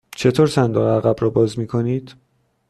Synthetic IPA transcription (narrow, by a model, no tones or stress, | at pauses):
t͡ʃʰe̞t̪ʰoːɾsænd̪oɣæɣæbɾɒːbɒːzmiːkʰo̞niːd̪̥